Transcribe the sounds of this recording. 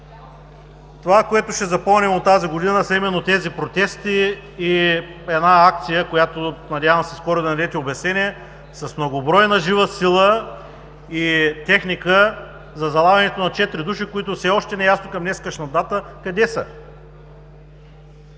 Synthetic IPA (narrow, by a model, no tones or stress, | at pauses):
t̪ovakoɛt̪ʊʃɛzɐpɔlˠnimot̪ːaziɡod̪inəsɐimɛnːot̪ɛzipɾot̪ɛst̪iː | ɛd̪naak̚t̪sijəkojat̪onɐd̪ʲjavəmsɛskɔɾʊd̪ɐnɐd̪ɛt̪iobɛsnɛnʲiɛ | sɐsmnoɡobɾɔjnɐʒivəsilˠə | it̪ɛxnikə | zɐzɐlˠaɡɐnɛt̪onɐt͡ʃɛt̪ɾid̪uʃikoit̪ʊfsɛɔʃt̪ɛnɛjasnokɐmnɛskəʃnɐd̪at̪əkɐd̪ɛsə